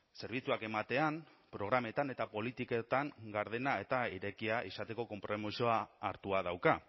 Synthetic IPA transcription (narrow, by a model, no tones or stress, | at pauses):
se̞ɾβ̞it͡suake̞mat̪e̞am | pɾo̞ɣ̞ɾame̞t̪ane̞t̪apo̞lit̪iket̪aŋɡaɾð̞e̞nae̞t̪aiɾe̞kiaʔisat̪e̞ko̞ko̞mpɾo̞misoaːɾt̪uað̞awka